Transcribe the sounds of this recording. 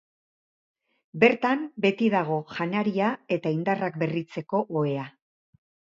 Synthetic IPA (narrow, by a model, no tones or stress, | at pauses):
be̞ɾt̪ambe̞t̪iðaɣ̞o̞ʝanaɾiae̞t̪aind̪arakbe̞rit͡se̞ko̞ʔoe̞a